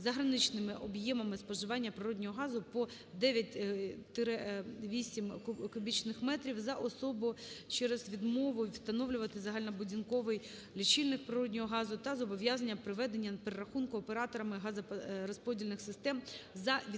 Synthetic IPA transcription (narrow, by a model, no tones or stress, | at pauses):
zɐɦɾɐnɪt͡ʃnɪmɪʔɔbjɛmɐmɪspɔʒɪʋɑnʲːɐpɾɪɾɔdʲnʲɔɦɔɦɑzʊpɔ | d̪ɛʋʲjɐtʲt̪ɪɾʋʲisʲimkʊbʲit͡ʃnɪxmɛt̪ɾʲiwzɐʔɔsɔbʊt͡ʃɛɾɛzʋʲid̪mɔʋʊwst̪ɐnɔʋlʲʊʋɐt̪ɪzɐɦɑlʲnɐbʊdʲinkɔʋɪj | lʲit͡ʃilʲnɪkpɾɪɾɔdʲnʲɔɦɔɦɑzʊt̪ɐzɔbɔʋʲjazɐnʲːɐpɾɪʋɛd̪e̞nʲːɐpeɾeɾɐxunkʊɔpeɾɑt̪ɔɾɐmɪɦɑzɐɾɔspɔdʲilʲnɪxsɪst̪ɛmzɐʋʲ